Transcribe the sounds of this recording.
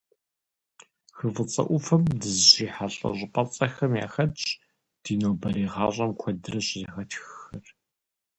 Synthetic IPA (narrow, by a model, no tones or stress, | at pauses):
xɨvɨt͡sʼɐ̰ʔʷʊfɐmdɨzʒiːħaɬʼɐ̰ʑʼɪpʼɐt͡sʼɐxɐmja̰ːxɐt͡ʃʼ | d̥iːnoːbɐɾiːʁɑ̰ːʑʷʼɐmkʷʰɐdɨrɐɕzɐxɐtxxɐr